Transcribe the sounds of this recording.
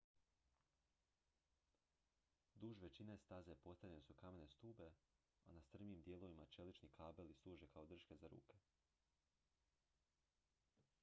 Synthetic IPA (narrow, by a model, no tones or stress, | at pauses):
d̪uːʒʋe̞t͡ɕinest̪aze̞po̞st̪aʋʎʲenesukame̞ne̞st̪uːbe̞ | anast̪r̩miːmd̪je̞lo̞ʋimat͡ʃe̞lit͡ʃnikʰaːbe̞lislˠuːʒe̞kʰaod̪r̩ʃke̞zaɾṵːke̞